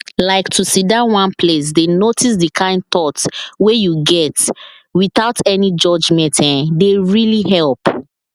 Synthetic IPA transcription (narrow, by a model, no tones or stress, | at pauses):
laɪktʰusidawãnpʰles̬denotis̬dikʰãɪ̃nd̚tɔtwejuɡɛt | wiθaʊtɛnid͡ʒɔd͡ʒmɛ̃ntʰãndeɹiliɦɛlp